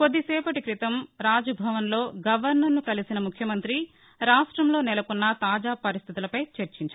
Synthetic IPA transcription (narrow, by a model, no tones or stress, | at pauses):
kod̪ːisɛːpɐʈikɾit̪ɐmɾaːd͡ʒɐbʱɐʋɐnlo̞ːɡɐʋɐɾnɐɾnukɐlisinɐmukʰjɐmɐnt̪ɾi | ɾaːʂʈɾɐmloːnɛlɐkunːɐt̪aːd͡ʒaːpɐɾist̪ʰit̪ulɐpɐjt͡ʃɐɾt͡ʃiɲt͡ʃa